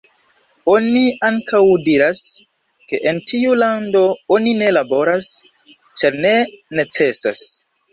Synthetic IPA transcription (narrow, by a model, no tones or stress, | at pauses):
o̞niaŋkawdiɾas | ke̞ʔentʰiulando̞onine̞labo̞ɾas | t͡ʃaɾne̞ne̞t͡se̞sa̰s